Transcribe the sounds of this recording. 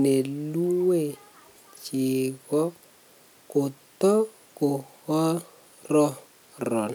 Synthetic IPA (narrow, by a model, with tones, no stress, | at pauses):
ne˨lu˦we˦˨ | t͡ʃɪ˨kɔ˦ | kʊ˨t̪ɔ˦ | kʊ˨hɔ˦ | rɔ˦ | rɔ˨n